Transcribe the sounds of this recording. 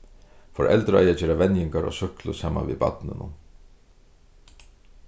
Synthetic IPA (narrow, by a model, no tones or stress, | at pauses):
fɔɾʔɛ̰lt̪ɾəa̰jɛːd͡ʑeːɾavɛnjɪŋkaɾʔɔ̰ːsʏhklʊsaːma̰vḭːba̰t̪nɪnʊ̰